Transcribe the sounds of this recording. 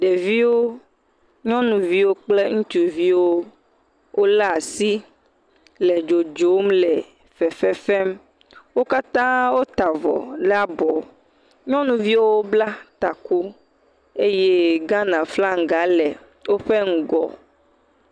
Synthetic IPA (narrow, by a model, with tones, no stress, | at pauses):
ɖe˨vi˦wo˦ | ɲɔ̃˦nũ˨vi˦wo˦k͡ple˦ŋũ˦t̪u˨vi˦wo˦ | wʔo˦la˦a˨si˦ | lɛ˨d͡ʒo˨d͡ʒo˨˦mlɛ˨ | fɛ˨fɛ˦fɛ˦m | wo˦ka˦t̪ã˦wo˦t̪a˨vɔ̰˨la˦bɔ˨ | ɲɔ̃˦nũ˨vi˦wo˦o˦bla˦t̪a˨ku˦ | e˦je˦ɡã˦nã˨fla˦ŋ̩˨ɡa˨˦lɛ˨ | wo˦ɸe˦ŋ̩˦ɡɔ̰˨